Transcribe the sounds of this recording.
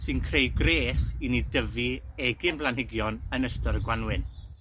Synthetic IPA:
sɨnkʰrejɡreːsinidəviɛɡɨnblˠanhɪɡjɔnənəstəɾɡwanwɨn

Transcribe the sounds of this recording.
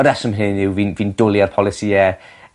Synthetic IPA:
ɔdɛsəmɦɪnːɪwviːnviːndʊlˠiarpʰɔlˠɪsiɛ

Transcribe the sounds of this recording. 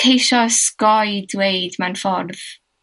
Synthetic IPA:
ejʃɔskɔjdwejdmanfɔrð̥

